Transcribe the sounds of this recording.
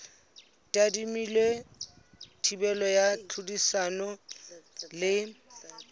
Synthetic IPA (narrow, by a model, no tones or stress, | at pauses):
tʼadimilwe | tʰibɛlɔjat͡ɬʰudisanɔ | lɪ